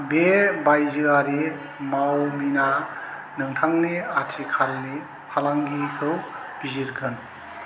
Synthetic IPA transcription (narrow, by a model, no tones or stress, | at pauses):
bebajzɯaɾi | mawmina | nɯŋtʰaŋniatʰikʰalni | pʰalaŋɡikʰɯw | b̥iziɾɡʰɯn